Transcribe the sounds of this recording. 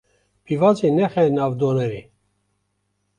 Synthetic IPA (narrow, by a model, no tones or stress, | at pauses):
pʰivɑzinɛxɛnɑːvd̪oːnɛɾi